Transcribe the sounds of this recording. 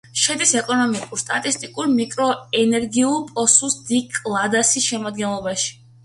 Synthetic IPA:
ʃɛd̪isɛkʼɔnɔmikʼuɾst̪ʼat̪ʼist̪ʼikʼuɾmikʼɾɔɛnɛɾɡiulˠpʼɔsusd̪ikʼlˠad̪asisʃɛmad̪̚ɡɛnlˠɔbaʃi̥

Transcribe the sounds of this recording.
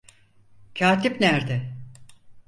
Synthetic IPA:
cʰaːt̪ʰipnæɾd̪ɛ

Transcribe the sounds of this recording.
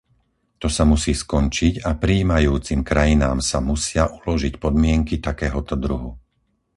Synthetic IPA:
t̪ɔsamusiːskɔnt͡ʃicapɾiːmajuːt͡simkɾajinaːmsamusɪaʔulɔʒicpɔd̪mɪɛŋkit̪akɛːɦɔt̪ɔd̪ɾuɦu

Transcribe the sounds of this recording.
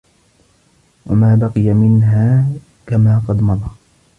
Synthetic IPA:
wa̰maːbɑqɨjamɪnɦaː | kamaːqɑd̪mɑðˤɑː

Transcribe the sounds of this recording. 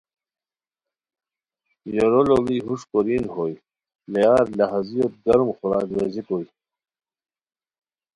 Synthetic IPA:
joɾololiɦuʂkoɾinhoj | lejaːɾlaɦazijot̪̚ɡɐɾmχuɾa̰ːɡɾezikoj

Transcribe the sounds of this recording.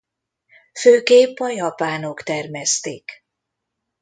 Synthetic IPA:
føːkeːpːɒjɒpaːnokt̪ɛrmɛst̪eːk

